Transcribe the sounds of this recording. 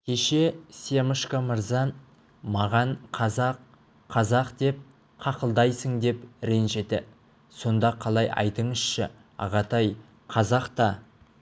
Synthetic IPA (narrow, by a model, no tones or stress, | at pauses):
kʲʰe̞ʃe̞se̞məʃkaməɾzɑ | mɑʁɑɴqʰɑzɑqʰː | ɑzɑqd̪e̞p̚ | qʰɑqəlˠd̪ɑjsəŋd̪e̞pɾenʒe̞t̪ɪ̰ | so̞nd̪ɑqʰɑlˠɑjɑ̰jt̪əɴəz̥ʃɪ̰ | ɑ̰ʁɑt̪ɑj | qʰɑzɑqt̪ɑ